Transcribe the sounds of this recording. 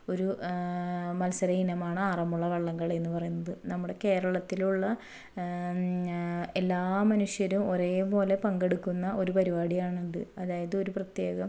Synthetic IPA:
o̞ɾu | mɐlsɐɾɐinɐmaːɳɨaːrɐmuɭːɐʋeɭːɐŋːɐɭe̞nːɨpɐrɐjunːɐðɨnɐmːuɽe̞ke̞ːɾɐɭɐt̪ːiluɭːɐ | e̞lːaːmɐnuʂjɐɾumo̞ɾeːpo̞ːle̞pɐŋɡe̞ɽukːunːɐʔo̞ɾupɐɾibaːɽijaːɳuɳɖɨɐðaːjɐðɨo̞ɾuprɐt̪je̞ːɣɐm

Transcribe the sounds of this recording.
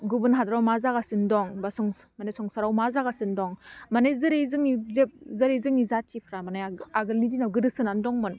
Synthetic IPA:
ɡubɯnɦadɾawmazaɡasɯndɔŋbasɔŋ | manesɔŋsaɾawmazaɡasɯndɔŋmanejzɯɾejzɯŋizep̚zɯɾejzɯŋizatʰipʰɾamanajaɡɯlnidinawɡɯdɯsɯnandɔŋmɯn

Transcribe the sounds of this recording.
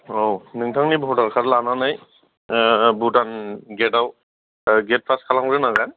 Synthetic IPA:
ownɯŋtʰaŋnibɔɦutakʰatlananaj | butanɡɛtaw | ɡɛt̚pʰaskʰalaŋɹɯnaɡa

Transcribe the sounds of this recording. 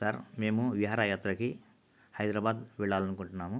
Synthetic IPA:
sɐɾme̞ːmuʋiɦaːɾaːjaːt̪ɾɐki | hɐjd̪ɾaːbaːd̪ʋɛɭːaːlɐnukuɳʈunːaːmu

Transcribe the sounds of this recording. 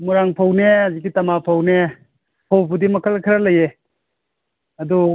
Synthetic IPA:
muɾaŋpʰawneɐzikitɐmapʰawne | pʰawbudimɐkʰɐlkʰɐɾɐlɐje | ɐdu

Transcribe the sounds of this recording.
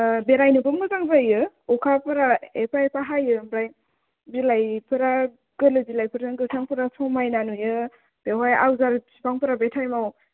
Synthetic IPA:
beɾajnɯbɯmɡɯzaŋzajɯ | ɔkʰapʰɐɾaepaepaɦajɯmɾaj | bilajpʰɯɾa | ɡ̥ɯlɯbilajpʰɯɾaŋɡɯtʰaŋpʰɯɾasʰɔmajnanujɯ | b̥eɦaja̰wzaɾsipaŋpɯɾabetʰajmaw

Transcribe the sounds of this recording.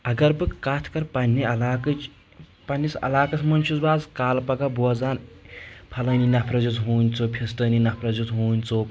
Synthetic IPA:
ɐɡɐɾbɨkkaːt̪ʰkɐɾpɐnʲːiɐlaːkɨt͡ʃ | pɐnʲːisɐ̰laːkɐsʰmɐnʲt͡ʃʰuzbaːzkaːlpɐɡɐbuɐd͡zaːnpʰɐlɐːninɐpʰɾɐzut͡sɦuːnʲt͡sopʰʲesʈɐːninɐpʰɾɐzut͡sɦuːnʲt͡soː

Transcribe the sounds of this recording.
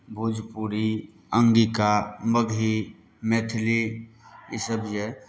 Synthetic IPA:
bʱuːd͡ʒpuɾi | ə̃ŋɡikaməɡʱi | meːt̪ʰli | isəbjɛ

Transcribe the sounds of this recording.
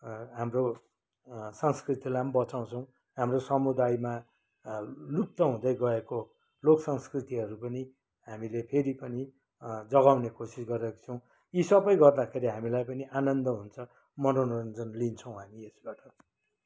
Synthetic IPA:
ɦamro | sʌŋskrit̪ilambʌt͡saw̃t͡sʰʌw̃ | ɦamrosʌmud̪ajma | luk̚t̪ʌɦũd̪ʌjɡʌeko | loksʌŋskrit̪iɦʌɾupʌni | ɦamilepʰeɾipʌni | d͡zʌɡawnekosisɡʌɾʌkt͡sʰʌw̃ | jisʌbʌjɡʌrd̪akʰeɾiɦamilajpʌniʔanʌnd̪ʌɦunt͡sʰʌ | mʌnonʌnd͡zʌnlint͡sʰʌ̃w̃ɦamiesbaʈʌ

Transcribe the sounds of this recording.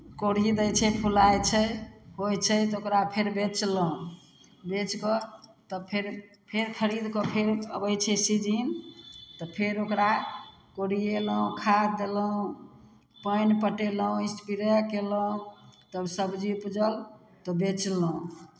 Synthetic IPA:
koɾid̪əjt͡ʃʰɛpʰulajt͡ʃʰɛɦojt͡ʃʰɛt̪ɔokɾapʰeɾbet͡ʃləũ | bet͡ʃkɔt̪ɔpʰeɾ | pʰeɾpʰəɾid̪kɔpʰeɾə̰bəjt͡ʃʰɛsid͡ʒint̪ɔpʰeɾokɾa | koɽieləũkʰad̪eləũ | pəjnpəʈeləũĩspiɾəkeləũt̪əbsəbd͡ʒipud͡ʒəl | t̪ɔbet͡ʃləũ

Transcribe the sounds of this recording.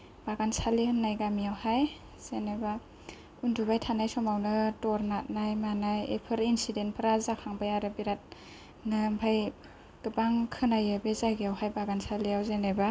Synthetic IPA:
b̥aɡansaliɯnajɡamijawhaj | z̥eneba | undubajtʰanajsɔmawnɯtɔɾnat̚najmanajḛpʰɯɾinsidentpʰɯɾazakʰaŋbajaɾɯbiɾat̚ | nɯmpʰaj | ɡ̥ɯbaŋkʰɯnajɯbezaɡijawɦajbaɡansalijawzeneba

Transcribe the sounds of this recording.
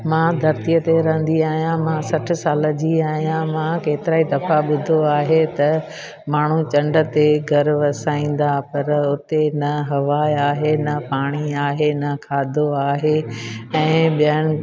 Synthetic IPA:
mãd̪ʱɐɾt̪ijət̪eɾɐɦə̃n̆d̪iaːɦijãmãsɐʈ̆ʰsaːləd͡ʑiaːɦijãmãkeːt̪ɪɾaːid̪ɐfaɓʊd̪ʱoaːɦet̪ɐ | maːɳ̤ut͡ɕɐ̃ɳɖə̆t̪eɡʱɐɾʋɐsaːĩːn̆d̪apɐɾʊt̪enɐɦɐʋaːaːɦenɐpaːɽ̃iaːɦenɐkʰaːd̪ʱoaːɦeɛ̃ːɓijəñɪ̆

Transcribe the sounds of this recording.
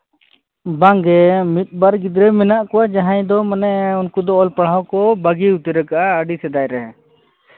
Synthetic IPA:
baŋɡɛmit̪̚ˀbaɾɡid̪ɾɛmɛnaʔkɔwad͡ʒaɦãjd̪ɔmanɛunkud̪ɔɔlpaɽawkɔbaɡiut̪ɛɾɛkaʔaəɖisɛd̪ajɾɛ

